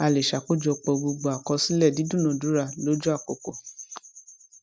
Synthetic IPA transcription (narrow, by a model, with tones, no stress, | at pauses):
a˧˨le˨ʃa˨k͡po˦˨d͡ʒɔ˧k͡pɔ˧ɡ͡bo˧ɡ͡bo˧˨a˨kɔ˧si˦lɛ˦˨di˨˦dũ˦˨nɔ̃˨du˨˦ɾa˧lo˨˦d͡ʒo˦a˦˨k͡po˨ko˨